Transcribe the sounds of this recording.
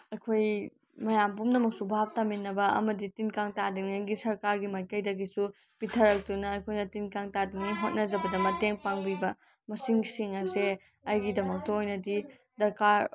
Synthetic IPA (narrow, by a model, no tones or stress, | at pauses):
ɐjkʰoj | mɐjampumnɐmɐk̚subʱap̚taminːɐbɐɐ̰mɐditinkaŋtadiŋinɡisɐɾkaɾɡimajkɐjdɐɡisu | pitʰɐɾɐk̚tunɐːjkʰojnɐtinkaŋtadiŋiɦot̚nɐzɐbɐdɐmɐteŋpaŋbibɐ | mɐsiŋsiŋɐse | ɐjɡidɐmɐk̚tɐojnɐdi | dɐɾkaɾ